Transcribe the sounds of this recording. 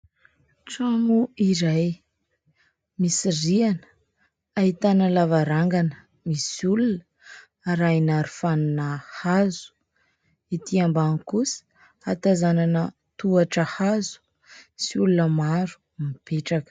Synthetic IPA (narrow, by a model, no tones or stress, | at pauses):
ʈ͡ʂamuiɾaj | misirianə̥ | aɦit̪anəlavaɾaŋɡanə̥ | misulunə | ɾajnaɾufaninəhazu̥ | it̪iambankusə̥ | at̪azananə | t̪uaʈ͡ʂəhazu̥ | siulunəmaɾu̥ | mipeʈ͡ʂakə̥